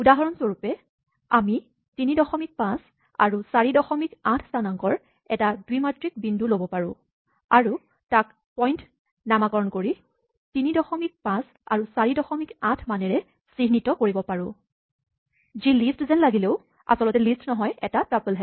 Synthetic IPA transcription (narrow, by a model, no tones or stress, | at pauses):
udaɦɔɹɔnzoɹupɛ | ami | tinidɔxɔmik̚pãs | a̰ɹusaɹidɔxɔmikãtʰsanaŋkɔɹ | ɛtaduimatɹik̚bindulobɔpaɹʊ̰̃ | aɹu | tak | pɔjnt | namakɔɹɔnkoɹi | tinidɔxɔmik̚pãs | a̰ɹusaɹidɔxɔmikãtʰmanɛɹɛ | siɦnitɔkoɹibɔpaɹʊ̃ | zilistzɛnlaɡileʊ | a̰sɔlɔtɛlistnɔɦɔjɛ̰tapɹapɛlɦɛ